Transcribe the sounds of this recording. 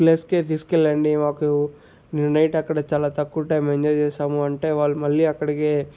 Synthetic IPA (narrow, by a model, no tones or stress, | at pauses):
pleːsket̪iskelːeɳɖiʋaːku | niɾnɐjʈɐkːɐɽet͡ʃɐlat̪ɐkːuʈːemeɲd͡ʒɐd͡ʒeːsaːmuɐɳʈeʋaːlumɐlːiɐkːɐɽiɡe